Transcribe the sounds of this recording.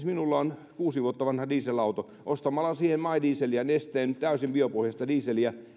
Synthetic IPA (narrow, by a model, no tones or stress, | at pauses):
sminulːɑon | kuːsiʋuot̪ːɑʋɑnhɑdiːselɑut̪o | ʔost̪ɑmɑlːˑɑsiːhemmɑidiːselijɑnest̪eːnt̪æysimbiopohjɑst̪ɑdiːselijɑ